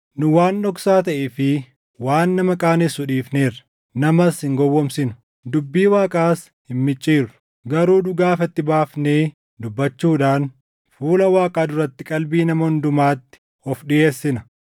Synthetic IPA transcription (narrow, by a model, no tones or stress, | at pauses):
nʊwaːnːɔksaːt̪ɐʔɛfɪ | waːnːɐmɐkʼaːnɪsːʊᶑiːfneːɾɐ̥ | nɐmɐshɪŋɡɔwːɔmsɪnʊ̥ | d̪ʊbːiːwaːkʼaːs | hɪnmɪt͡ʃʼːiːɾʊ̥ | ɡɐɾuːdʊɡaːfɐt̪ːɪbaːfneː | d̪ʊbːɐt͡ʃːuːᶑaːn | fuːlɐwaːkʼaːd̪ʊɾɐt̪ːɪkʼɐlbiːnɐmɐʊnd̪ʊmaːt̪ːɪ̥ | ɔfɗɪʔeːsːɪnɐ